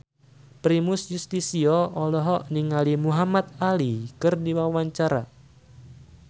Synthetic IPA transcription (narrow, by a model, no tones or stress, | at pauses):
pɾimusjust̪isiɔɔlɔɦɔʔniŋalimuɦamat̪̚alikɨrdiwawaɲt͡ʃaɾa̰